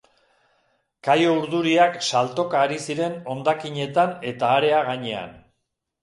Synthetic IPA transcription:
kajouɾðuɾiaksalt̪o̞kaːɾisiɾe̞no̞nd̪akiɲe̞t̪ane̞t̪aːɾe̞aɣaɲe̞a̰n

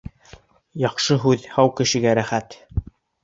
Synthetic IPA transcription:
jɑqʃɤɦʉðhɑwkɘ̆ʃɘ̆ɡæɾæχæt̪

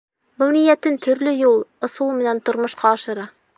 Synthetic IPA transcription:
bɤlˠnijæt̪ɘnt̪ʰɵ̆ɾlɵjulˠŏsulˠmɘ̆nænt̪ŏɾmŏʃqɑːʃɤ̆ɾɑ

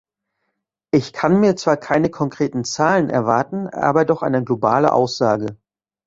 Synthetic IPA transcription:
ʔɪçkʰanmiːɐt͡sv̥aːɐkʰaɪnəkʰɔŋkʁ̥eːtn̩t͡saːlənʔɛ̰ɐvaɐtn̩ʔa̰ːbɐdɔχʔa̰ɪnəɡlobaːlə̰ʔa̰ʊsz̥aːɡə

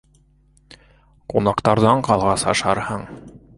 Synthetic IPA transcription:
qunɑqt̪ɑɾðɑɴqɑlˠʁɑsɑʃɑɾhɤɴ

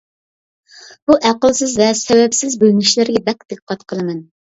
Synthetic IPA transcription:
b̥uʔæqəlˠsɪzvɛsɛwɛpsɪzbølŋʲiʃlɪɾɡʲɛb̪ɛk̚ʲd̪̥eqqʰːɑt̪qʰəlˠɨmɛn

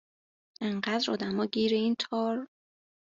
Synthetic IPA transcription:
ʔeɴɢæd̪ɾɒ̰ːd̪æmɒːɟiːɾeiːnt̪ʰɒːɾ

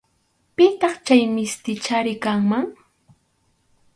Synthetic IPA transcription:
pɪt̪ɑχt͡ʃajmɪst̪ɪt͡ʃaɾɪkaŋmaŋ

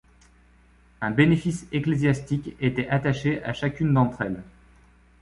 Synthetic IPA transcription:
ɛ̃benefiseklezjast̪ikʲet̪ɛʔat̪aʃeʔaʃakʲynd̪ɑ̃t̪χɛl

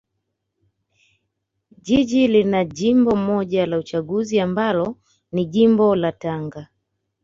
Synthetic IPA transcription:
ʄiʄilinaʄimbɔmɔʄalaut͡ʃaɠuziambalɔ | niʄimbɔlataŋɡa

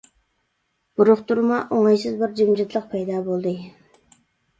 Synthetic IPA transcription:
b̥uɾʊχt̪uɾmɑʔoŋɑjsɨzbɪɾd͡ʒimd͡ʒit̪ʰlˠəq̚pʰɛjd̪ɑːbolˠd̪ɨ

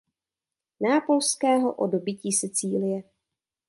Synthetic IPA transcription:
naːpo̞lskɛːɦoʔo̰dobɪciːsɛt͡siːlɪjɛ

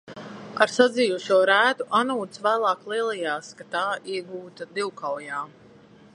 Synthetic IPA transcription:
aɾsad̪zʲijuʃuɔɾæːt̪uʔanuːt̪svæːlˠɑːklˠiɛlˠijaːskat̪aːʔiɛɡuːt̪ad̪iwkawjaː

